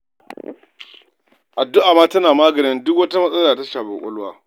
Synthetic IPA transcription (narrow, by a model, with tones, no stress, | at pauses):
ʔa˨dːʊ˦ʔaː˨maː˦tɐ˦naː˨maː˦ɡɐ˨ɾɪ˦ndʊ˦k̬wɐ˦ta˦mɐ˦sʼɐ˦laː˨ta˦ʃaː˨ɸḛ˨ʔʷʊ̰˦lwaː˦